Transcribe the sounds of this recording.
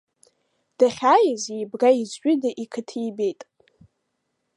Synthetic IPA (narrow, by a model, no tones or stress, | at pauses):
d̥aχʲaːjɪzejbraizʕʷʼᶣɪdaʔikʰɨtʰiːbejtʼ